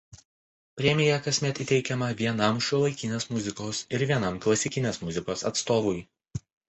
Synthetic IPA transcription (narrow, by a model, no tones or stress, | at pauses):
pʲɾʲɛmʲɪjɛkɐsʲmʲɛt̪iːt̪ʲɛɪkʲɛmɐʋʲiɛnɐmʃʲʊlˠɐɪkʲɪnʲeːsmʊzʲɪkoːsɪɾʋʲiɛnɐmklˠɐsʲɪkʲɪnʲeːsmʊzʲɪkoːsɐ̰t̪st̪oːʋʊj